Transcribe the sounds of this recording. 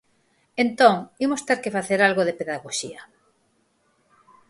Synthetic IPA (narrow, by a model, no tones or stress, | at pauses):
ent̪oŋimost̪eɾkefaθeɾalɣoðepeðaɣoʃia